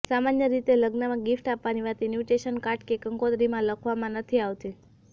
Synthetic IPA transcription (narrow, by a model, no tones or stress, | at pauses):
samanjəɾit̪eləɡnamãɡifʈapʋaniʋat̪injuʈeʃənkaʈkekəŋkod̪ɾimãləkʰʋamãnət̪ʰiaʋt̪i